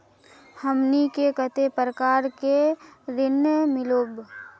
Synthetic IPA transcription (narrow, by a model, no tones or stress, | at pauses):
həmnikekət̪epɾəkaːɾkeɾɪnəmɪloːb